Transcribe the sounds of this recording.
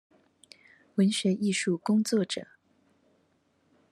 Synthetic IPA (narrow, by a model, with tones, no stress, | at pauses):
wə˧˥nɕɥɛ˧˥ʔi˥˧ʂu˥˩kʊ˥ŋt͡swɔ˥˩ʈ͡ʂɤ̰˨˩˦